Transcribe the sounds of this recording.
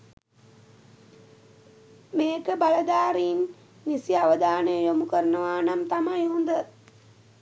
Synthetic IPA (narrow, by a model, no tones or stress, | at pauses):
meːkəbaləd̪aːɾiːnː | isijaʋəd̪aːnəjəjomukəɾənəʋaːnamt̪amajɦund̪ə